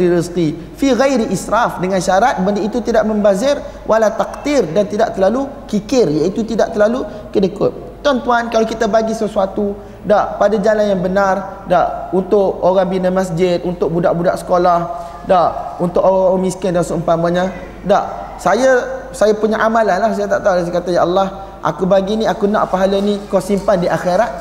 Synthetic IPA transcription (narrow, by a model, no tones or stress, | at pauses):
ɾivəst̪i | fiɣajɾiʔisɾafdəŋãnʃaɾat̪̚bəndiit̪ut̪idaʔmə̃mbazɪr | wʔalat̪ak̚t̪irdant̪idaʔt̪əlalukikɪrjait̪ut̪idaʔt̪əlalu | kədəkʊ̰t̪̚ | t̪ːuant̪uankalakit̪abaɡisəsuat̪u | daʔpadad͡ʒalanjaŋbənar | daʔunt̪ʊʔoɣaŋbinəmasd͡ʒɪt̪̚unt̪ʊk̚budaʔbudaʔsə̥kolah | daʔunt̪ʊʔoɣaamiskəndansəəmpamaɲa | daʔ | sajasajapuɲaʔamalanlahs̬ajat̪aʔt̪aulas̬akat̪ajaʔalːah | ʔa̰kubaɡiniakunã̰ʔpaɦalanikɔsimpandiʔaxeɾat̪̚